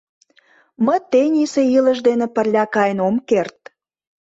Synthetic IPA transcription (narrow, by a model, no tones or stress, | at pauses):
məjt̪enʲiseiləʒd̪enepərlʲɑkɑjənomkert̪̚